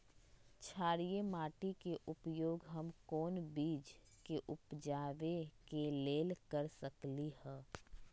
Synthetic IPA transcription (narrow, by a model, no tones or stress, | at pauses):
t͡ʃʰaːɾijemaːʈikeʔʊpjoːɡɦəmkɔːnbiːd͡ʒ | keʔʊpd͡ʒaːʋekeleːlkəɾsəklihɛː